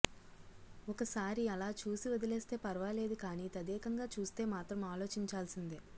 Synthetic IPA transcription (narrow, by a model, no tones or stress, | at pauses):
ɔkɐsaːɾiɐlaːt͡ʃuːsiʋɔd̪ɐleːst̪e̞ːpɐɾɐʋaːle̞ːd̪ukaːniːt̪ɐd̪ɛːkɐŋɡaːt͡ʃuːst̪e̞ːmaːt̪ɾɐmaːlo̞ːt͡ʃiɲt͡ʃaːlsind̪i